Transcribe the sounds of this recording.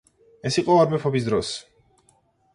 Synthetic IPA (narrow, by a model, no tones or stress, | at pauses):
ɛsiqʼɔaɾmɛpʰɔbis̬d̪ɾɔs